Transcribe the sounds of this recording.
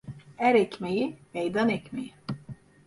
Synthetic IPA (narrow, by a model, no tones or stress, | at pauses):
æɾɛcmejimejd̪anɛcmeji